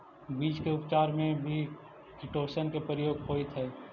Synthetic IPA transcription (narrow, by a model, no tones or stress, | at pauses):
biːd͡ʒkeʊpt͡ʃaːɾmẽbʱi | kʰɪʈoːʃənkepɾəjoːɡpoːit̪ɦɛː